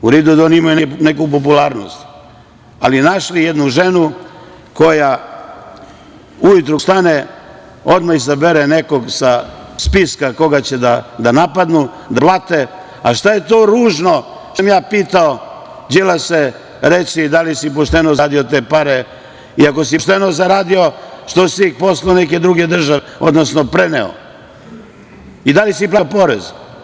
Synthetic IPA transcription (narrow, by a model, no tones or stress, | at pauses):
uɾid̪ud̪aonimajunenekup̬opulaːɾno̰st̪ | alinaʃlijed̪nuʒenu | ko̞ja | ujut̪ɾust̪ane | o̞d̪maizabeɾene̞ko̞ɡsaspiskako̞ɡat͡ɕed̪ad̪anapad̪nu | d̪aplˠat̪e | aʃt̪aje̞t̪oːɾuːʒno̞ | ʃamjaːpiːt̪ao | d͡ʑilase | ɾesid̪alisipoʃt̪enozad̪iot̪eːpaɾe | iako̞s̬iʃt̪enozaɾaːd̪io̞ʃt̪osiposlaonek̬e̞d̪ɾuɡed̪r̩ʒaʋeo̰d̪nosnopɾeneo̰ | id̪alisiplˠaopo̞ɾḛz